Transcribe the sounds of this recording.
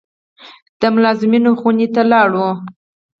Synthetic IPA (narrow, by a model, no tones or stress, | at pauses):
d̪̥əmʊlɑzɪminoxunet̪alɑɽwu